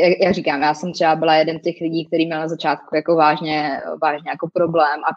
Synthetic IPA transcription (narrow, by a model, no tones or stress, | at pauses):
jajakriːkaːmjaːsɛmt̪r̥ɛbabɪlajɛdɛnscɛxlɪɟiːk̚t̪ɛɾiːmɲɛlnazat͡ʃaːt̪kujako̞vaːʒɲɛvaːʒɲɛjakopɾoblɛːmʔa